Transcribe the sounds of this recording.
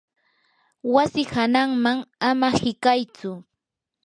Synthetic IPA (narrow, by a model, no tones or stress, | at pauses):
wasɪhanaŋmaŋamahɪkajt͡sʊ